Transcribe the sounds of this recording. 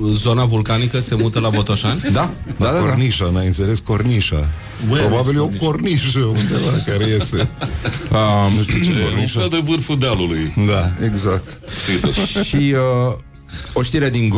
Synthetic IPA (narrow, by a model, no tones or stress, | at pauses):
zo̞navulkanikəse̞mut̪əlabo̞t̪oʃanʲd̪ad̪ad̪aniʃanajɨnt̪se̞le̞sko̞ɾniʃa̰ | ɾo̞babiljeokorniʃəulnd̪evakaɾejest̪e | ənuʃt̪uoniʃad̪evɨrfud̪alulujd̪aeɡzak̚t̪ | sit̪uʃiə | oʃt̪iɾead̪iŋɡ